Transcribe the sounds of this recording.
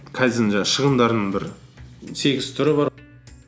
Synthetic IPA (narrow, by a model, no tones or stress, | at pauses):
kʰɑjzɪnʒɑʃəʁənd̪ɑɾnəɴbɪɾ | se̞ɡʲɪz̥t̪ʰʊɾəbɑɾ